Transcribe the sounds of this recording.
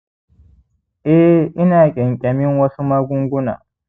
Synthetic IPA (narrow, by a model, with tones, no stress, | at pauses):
ʔɛ˦ʔɪ˦naː˨kʲʼɛ˨ŋkʲʼɛ˨mɪ˦ŋwɐ˦su˦mɐ˦ɡʷʊ˦ŋɡʷʊ˦na̰ː˨